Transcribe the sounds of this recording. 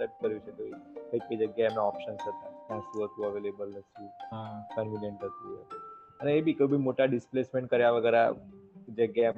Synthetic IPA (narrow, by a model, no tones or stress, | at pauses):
səp̚ʈ̚kəɾʋit͡ʃʰet̪oikəiked͡ʒəɡjaeemnaɔpʃənsɦət̪anãsũɦət̪ũəʋelebəlnəʃũɦakənʋinjəɳʈɦət̪ũə̰t̪ũ | əneebʱikəbʱimoʈaɖɪsplesmẽɳʈ̚kəɾjaʋəɡəɾa̰d͡ʒəɡja